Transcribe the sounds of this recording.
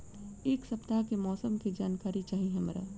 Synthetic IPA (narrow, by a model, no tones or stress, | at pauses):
eːksɐpt̪akemɔːsəmkid͡ʒaːnkaːɾit͡ʃaːɦiɦɛ̃mɾa̰ː